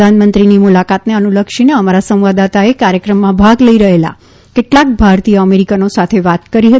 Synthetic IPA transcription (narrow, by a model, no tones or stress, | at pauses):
anmənt̪ɾinimulakat̪neənuləkʃineəmaɾasə̃m̃ʋad̪at̪aekaɾjəkɾəmːãbʱaɡləiɾəɦela̰ | keʈlak̚bʱaɾt̪ijəəmeɾikənosat̪ʰeʋat̪kəɾiɦə